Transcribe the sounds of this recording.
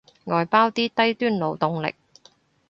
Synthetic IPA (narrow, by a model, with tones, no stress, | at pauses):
ŋɔː˨jpaː˥wt̪iː˥t̪ɐ˥jt̪yː˥nlo˨˧wt̪ʊ˨˧ŋlɪ̰˨k̚